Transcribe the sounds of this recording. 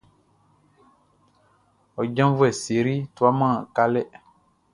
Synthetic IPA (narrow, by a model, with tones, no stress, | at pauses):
ɔ˨d͡ʒã˦m˦vu˦ɛ˨se˨ɾi˦tu˦a˦mã˦˨ka˦lɛ˦